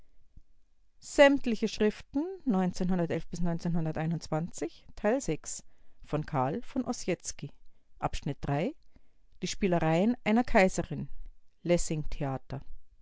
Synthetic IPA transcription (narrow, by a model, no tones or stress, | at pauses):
z̥ɛmtlɪçəʃʁ̥ɪftn̩nɔʏnt͡seːnhʊndɐtʔɛlfb̥ɪsnɔʏnt͡seːnhʊndɐtʔaɪnʊnt͡sv̥ant͡sɪçtʰaɪlzɛksfɔnkʰaɐlfɔnʔɔsjɛt͡skiʔa̰pʃnɪt̚d̥ʁaɪ | d̥iːʃpiːləʁaɪənʔaɪnɐkʰaɪzəʁɪnlɛsɪŋtʰeaːtɐ